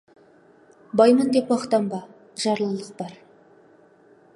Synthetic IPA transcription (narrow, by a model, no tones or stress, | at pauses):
bɑjmənd̪epwɑχt̪ɑmbɑ | ʒɑɾlˠəlˠəq̚bɑɾ